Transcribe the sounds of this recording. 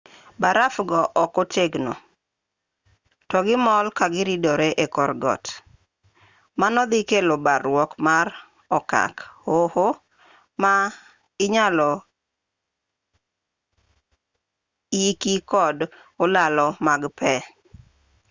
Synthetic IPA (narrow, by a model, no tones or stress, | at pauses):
baɾafɡɔʔɔkoteɡno̰ | tɔɡɪmɔlkaɡɪɾidɔɾeʔekɔrɡɔ̰t | manɔd̪ɪkelobaɾwɔkmaɾ | ɔka̰khoho | ma | ɪɲalɔ | ikikɔd | olalɔmaɡpɛ